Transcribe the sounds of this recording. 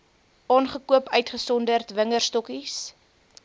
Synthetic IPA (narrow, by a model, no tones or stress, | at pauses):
ʔɑːnχəkuəpœɥtχəsɔndərtvəŋərstɔkis